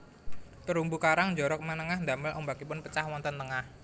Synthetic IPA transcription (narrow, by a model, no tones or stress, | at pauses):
t̪əɾumbukaɾaŋɲd͡ʒɔɾɔk̚manəŋahnd̪aməlʔɔmbakipʊnpət͡ʃahwɔnt̪ənt̪əŋah